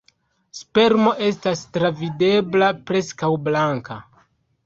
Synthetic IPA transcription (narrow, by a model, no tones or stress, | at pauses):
spe̞ɾmo̞ʔe̞stastɾavide̞blapɾe̞skawblaŋka